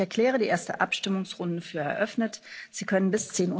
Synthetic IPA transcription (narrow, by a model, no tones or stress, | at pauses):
ɛɐkl̥ɛːʁ̞ədiːʔeːɐstəʔa̰pʃtɪmʊŋsʁʊndəfyːɐɛ̰ɐʔœfnətz̥iːkʰœnənbɪst͡seːnu